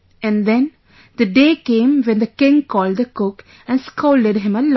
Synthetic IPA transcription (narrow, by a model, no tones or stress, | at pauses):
ɛ̃nd̪ɛ̃n | d̪əɖeːkẽːmʋɛ̃nd̪əkɪ̃ŋkɔːlɖd̪əkʊk | æ̃nskʰoːlɖəɖɦɪ̃məl